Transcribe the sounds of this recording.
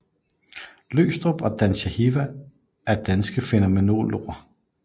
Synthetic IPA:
lø̰ːsd̥ʁob̥ɒ̽d̥ænɕæhiʋæ | æɐd̥ænsɡ̥əfe̝nɐmeno̝̰ːlo̝̰ːɐ

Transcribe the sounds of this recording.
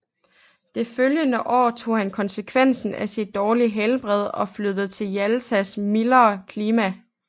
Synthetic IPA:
d̥e̝føljənəʔɒ̰ːt͡sʰo̝̰ːhænkʰɒ̽nsəkʰʋen̰sn̩æsid̥̚ːɒːliɦelb̥ʁɛð̞̰ˠɒ̽fløðð̩ˠt͡sʰe̝ljælsæsmilɐːkʰliːmæ

